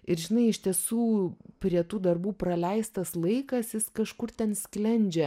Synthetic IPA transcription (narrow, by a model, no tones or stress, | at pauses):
ɪɾʒʲɪnɐɪɪʃʲt̪ʲiɛsuːpʲɾʲiɛt̪uːd̪ɐrbuːprɐlʲɛɪst̪ɐslˠɐɪkɐsjɪskɐʃkʊrt̪ʲɛnsʲklʲɛnʲd͡ʒʲɛ